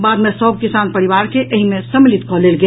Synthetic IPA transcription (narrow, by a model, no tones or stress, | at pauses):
bad̪mesəb̚kisanpəɾiʋaɾkeʔəɦimẽsəmlit̪kɔɦlelɡe